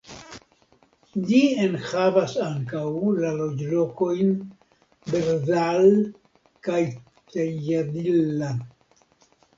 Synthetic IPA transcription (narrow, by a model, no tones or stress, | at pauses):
d͡ʒienhavasaŋkawlalo̞d͡ʒlo̞ko̞jn | beɾzal | kaj | t̪eadilːa